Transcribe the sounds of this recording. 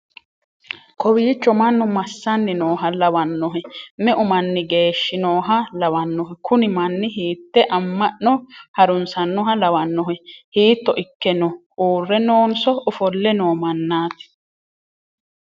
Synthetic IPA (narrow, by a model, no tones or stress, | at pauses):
kʰɔwiːt͡ʃːɔmɐnːʊmɐsːɐnːɪnoːɦɐlɐwɐnːɔɦɛmɛʔʊmɐnːɪɡeːʃːɪnoːɦɐlɐwɐnːɔɦɛkʰʊnɪmɐnːɪɦiːt̪ːɛʔɐmːɐʔnɔhɐɾʊnsɐnːɔɦɐlɐwɐnːɔɦɛhiːt̪ːɔʔɪkːɛnɔ | uːrːɛno̞ːnsɔʊfɔlːɛnoːmɐnːaːt̪ɪ̥